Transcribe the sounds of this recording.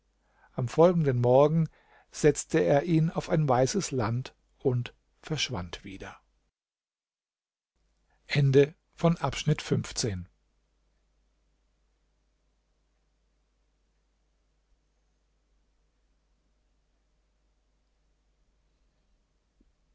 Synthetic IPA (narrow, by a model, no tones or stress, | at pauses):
ʔamfɔlɡŋ̩dənmɔɐɡŋ̩ | z̥ɛt͡stəeːɐʔiːnaʊfaɪnvaɪsəslant | ʔʊnt | fɛɐʃv̥a̰ntv̥ḭːdɐ | ʔɛndə | fɔnʔapʃnɪtfʏnft͡seːn